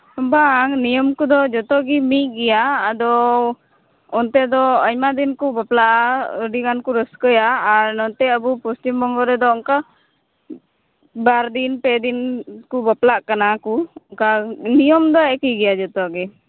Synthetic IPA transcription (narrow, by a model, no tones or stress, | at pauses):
baŋnijɔmkud̪ɔd͡ʒɔt̪ɔʔɡimit̚ɡɛjaːd̪ɔ | ɔnt̪ɛd̪ɔɔɲmad̪inkubaplaʔaəɖiɡankuɾəskəjaːɾnɔnt̪ɛəbupustimbɔŋɡɔɾɛd̪ɔɔŋka | baɾd̪inpɛd̪inkubaplaʔkanakuɔŋkanijɔmd̪ɔɛkiɡɛjad͡ʒɔt̪ɔʔɡi